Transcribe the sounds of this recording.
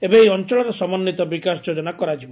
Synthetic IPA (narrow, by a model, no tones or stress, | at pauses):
ebeejɔnt͡ʃɔɭɔɾɔsɔmɔnːit̪ɔbikasd͡ʒod͡ʒɔnakɔɾad͡ʒibɔ